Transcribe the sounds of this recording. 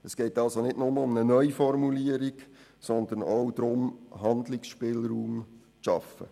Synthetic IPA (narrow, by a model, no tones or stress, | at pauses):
əsɡ̥ɛɪtɑlsonɪtnʊməʊmnənœʏfɔɾmuliəɾik | sɔnd̪ənowd̪ɾʊmɦɑnd̪lɪksʃpɪːlɾuːm | t͡sʃɑfə̰